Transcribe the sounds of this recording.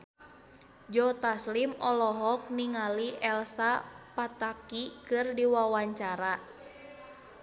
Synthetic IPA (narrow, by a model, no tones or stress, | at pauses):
d͡ʒɔt̪aslimɔlɔɦɔk̚niŋaliʔɛlsapat̪akikɨrdiwawaɲt͡ʃaɾa